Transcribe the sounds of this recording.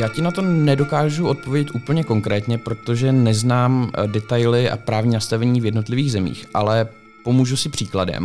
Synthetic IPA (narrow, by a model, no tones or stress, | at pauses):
jaːcɪnat̪o̞nɛdo̞kaːʒuʔo̞t̪̚povjɛɟɛt̪ʔuːpl̩ɲɛko̞ŋkɾɛːt̪ɲɛpɾo̞t̪o̞ʒɛnɛznaːmdɛt̪ajlɪʔa̰pɾaːvɲiːnast̪avɛɲiːvjɛdno̞t̪lɪviːɣzɛmḭːxʔalɛ | po̞muːʒusɪpr̝̥iːkladɛ̰m